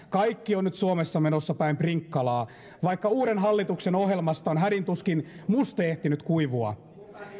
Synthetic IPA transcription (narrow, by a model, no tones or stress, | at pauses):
kɑjkːionnyt̪suomesːɑmenosːɑpæimpriŋkːɑlɑː | ʋɑikːɑuːɾenɦɑlːit̪ukseno̞ɦjelmɑst̪ɑonɦædint̪uskinmust̪oeht̪inyt̪kuiʋuɑ̰